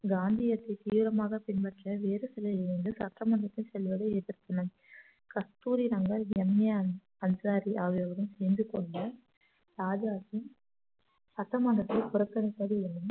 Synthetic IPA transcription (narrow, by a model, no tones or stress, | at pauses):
ɡaːnd̪ɪjɐt̪ːɐt̪iːʋɪɾɐmaːɣɐpɪnpɐʈrɐʋeːɾɯsɛlːɐɪɾɯnd̪ɯsɐʈɾɐmɐɳdɐt̪ːɪlsɛlʋɐðɐɛðɪɾk̪ɐnɐm | kɐst̪uːɾiɾɐŋɡɐɾɛmːjaːn | ɐnsaːɾiʔɐʋɪɐʋɐɾɯmsɛːnd̪ɯkɔɳɖɐ | ɾaːd͡ʒaːsi | sɐt̪ːɐmɐɳdɐt̪ːɐɪkʊɾɐkːɐnɐkːɐðɯɯnːɯm